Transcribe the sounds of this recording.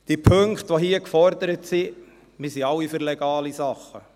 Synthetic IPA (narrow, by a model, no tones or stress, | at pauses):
d̥iəpʰɵŋkχt̪ʋoɦiəkfɔɾd̪əɾətsi | mɪsiɑwːifyɾlɛɡ̥ɑːlisɑχːə